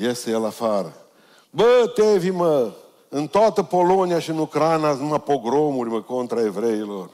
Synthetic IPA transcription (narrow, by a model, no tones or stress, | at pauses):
jesejelafaɾə | bət̪evimə | ɨnt̪oat̪əpoloniaʃinukɾanasnumapoɡɾomuɾiməkont̪ɾaevɾeilor